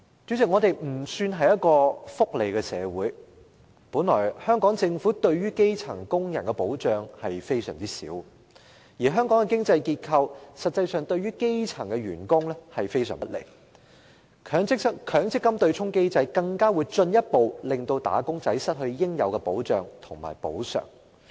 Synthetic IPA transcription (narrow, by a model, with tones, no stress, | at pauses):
t͡ʃy˨˥t͡sɪ˨k̚ŋɔː˨˧t̪e˨˩jm̩˨˩syː˧nɦɐ˨jɐ˥t̚kɔː˧fʊ˥k̚le˨jkɛ˧sɛ̰ː˨˧wuː˨˥j | puː˨˥nlɔː˨˩jhœː˥ŋkɔː˨˥ŋt͡sɪ˧ŋfuː˨˥t̪ɵ˧ɥɥyː˥ke˥jt͡sʰɐ˨˩ŋkʊ˥ŋjɐ˨˩nkɛ˧po˨˥wt͡ʃœː˨ŋhɐ˨jfe˥jsœ̰ː˨˩ŋt͡siː˥sḭː˨˥w | jiː˨˩ɦœː˥ŋkɔː˨˥ŋɛ˨˧kɪ˥ŋt͡sɐ˧jkiː˧t̚kʰɐ˧wsɐ˨t̚t͡sːɐ˧jsœː˨ŋt̪ɵ˧ɥyː˥ke˥jt͡sʰɐ˨˩ŋkɛ˧ɥyː˨˩nkʊ˥ŋlɛ˥hɐ˨jfe˥jsœ̰ː˨˩mpɐ˥t̚lḛ˨˩j | kʰːŋ˥kʰœː˨˥ŋt͡sɪ˥kːɐ˥mt̪ɵ˧ɥt͡sʰʊ˥ŋke˥jt͡sɐ˧jkɐ˧ŋkaː˥wuː˨˧jt͡ʃɵ˧njɐ˥t̚po˨wlɪ˨ŋt̪o˧wt̪a̰ː˨˥kʊ˥ŋt͡sɐ˨˥jsɐ˥t̚hɵ˧ɥjɪ˥ŋjɐ˨˧wkɛ˧po˨˥wt͡ʃœː˨ŋt̪ʰʊ˨˩ŋma̰ː˨˩jpo˨˥wsœ̰ː˨˩ŋ